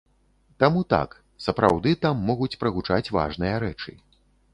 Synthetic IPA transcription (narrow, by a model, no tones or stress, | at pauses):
t̪amut̪a̰k | sɐpɾa̰wd̪ɨt̪amːɔɣut͡sʲpɾɐɣut͡ʂat͡sʲva̰ʐnɨjɐɾɛt͡ʂɨ̰